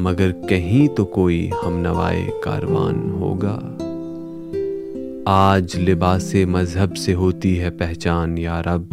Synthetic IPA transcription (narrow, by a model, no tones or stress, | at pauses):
mɐɡəɾkɐɦĩt̪okoːihɐmnɐʋa̰ːḛka̰ːɾʋa̰ːnɦo̰ːɡa̰ː | aːd͡ʒlɪbaːsemɐzɦəbseɦoːt̪iɦɛpɛɦt͡ʃaːnjaːɾɐb